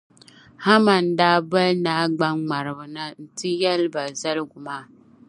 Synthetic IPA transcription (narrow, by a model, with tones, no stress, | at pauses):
ha˦ma˨n̩˨daː˦ba˦lnaː˦ɡ͡ba˦ŋ͡ma˨ɾɨ˨bɨ˨na˦n̩˦tɨ˦jɛ˦lba˨za˦lɡu˨maː˦